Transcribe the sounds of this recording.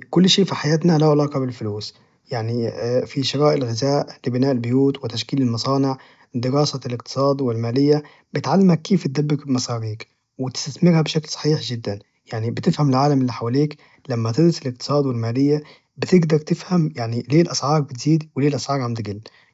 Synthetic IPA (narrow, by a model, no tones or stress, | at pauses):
kʊlːʃeːʔfiħajaːt̪nalaʕelɑːqɑbɪlfʊluːs | jaʕnifiʃɪɾɑːʔɪlɣɪzaːʔlɪbɪnaːʔɪlbʊjuːt̪wɪt̪aʃkiːlɪlmɑsˤɑːnɪʕ | d̪ɪɾɑːsalɪq̚t̪ɨ̥sˤɑːd̪wɪlmaːlɪjːa | bɪt̪ʕalːɪmhækkːiːft̪̚d̪æbːɪkbɪmɑsˤɑːɾiːk | wɪt̪ɪ̥st̪asmɪɾhæbʃaklsˤɑ̥ħiːħʒɪd̪ːan | jaʕnibɪt̪ɪfhamɪlʕaːlamʔɪlːiːħawaliːk | lamːæt̪ɪd̪ɾʊsɪlɪq̚t̪ɨ̥sˤɑːd̪wɪlmaːlɪjːa | bɪt̪ɪɡd̪ɑɾˤt̪ɪfhamjaʕnileːlʔæsʕɑːɾˤbɪt̪z̥iːd̪wɪleːlʔɑsʕɑːɾˤʕamt̪ɪɡɪlː